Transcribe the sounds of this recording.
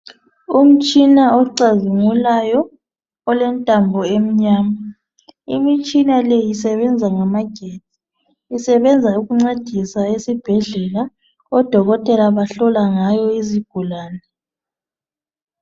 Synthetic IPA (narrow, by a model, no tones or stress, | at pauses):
um̩t͡ʃʼinaɔǀazuŋulajɔː | lɛntʼambʱɔem̩ɲaːma | imit͡ʃʼinalɛjisɛβɛnd͡zʱaŋamaɡ̥ʱeːdʱi̥ː | sɛβɛnd͡zʱauɣuŋ͡ǀed̥ʱisaesib̥ʱɛɮɛla | ɔd̥ʱɔɣɔtʼɛlaβaɬɔlaŋajɔiziɡ̥ʱulaːnɛ